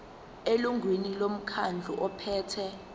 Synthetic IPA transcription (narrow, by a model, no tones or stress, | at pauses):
eluŋʱwinilom̩kʰand͡ɮʱuʔɔpʰɛːtʰɛ